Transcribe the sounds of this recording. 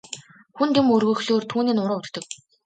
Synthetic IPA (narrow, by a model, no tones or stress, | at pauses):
xunt̪emɵrɣɵ̆xɮoːrt̪ʰuːniːnʊɾʊːt̪kt̪ɵ̆k̚